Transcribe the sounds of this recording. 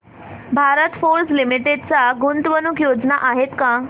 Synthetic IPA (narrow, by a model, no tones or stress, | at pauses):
bʱaɾət̪foɾslimiʈeɖt͡saɡunt̪ʋənukjod͡znaʔaɦet̪kã